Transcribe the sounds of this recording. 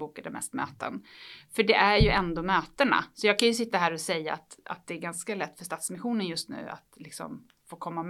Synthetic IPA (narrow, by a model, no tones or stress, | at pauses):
uːkad̪ɛmɛ̰st̪mø̰ːt̪ə̰nfœɖɛʔæɾjɵʔɛnd̪omøːt̪əɳa̰sɔjɑːɡkʰanjɵsɪt̪ːaɦæːɾɔsɛjːaːt̪a̰t̪̚d̪ɛːɾɡanskalɛt̪ːfœʂt̪at̪smɪnɧuːnənjɵst̪nʉ̟̰ːa̰t̪lɪksɔ̰m | foːkʰɔmːam